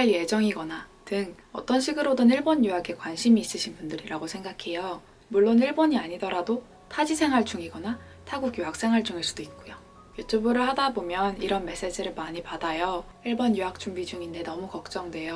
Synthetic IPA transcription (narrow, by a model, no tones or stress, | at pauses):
aje̞d͡ʑʌŋiɡʌnatɯŋ | ʌt͈ʌnɕʰiɡɯɾodɯniɭbonjuɦaɡʰe̞kwanɕʰimiːs͈ɯɕʰinbundɯɾiɾaɡosʰe̞ŋɡakʰe̞jo | muɭːoniɭboɲiaɲidʌɾado | tʰad͡ʑisʰe̞ŋɦaɭt͡ɕ͈uŋiɡʌna | tʰaɡuɡjuɦak̚s͈e̞ŋɦaɭt͡ɕ͈uŋeɭs͈ud̥oit̚k͈ojo | jot͡ɕ͈obɯɾɯɭhadabomjʌniɾʌnme̞s͈e̞d͡ʑiɾɯɭmaɲipadajʌiɭbʌnjuak̚t͡ɕ͈uŋbid͡ʑuŋinde̞nʌmukʌk̚t͡ɕ͈ʌŋdwe̞jo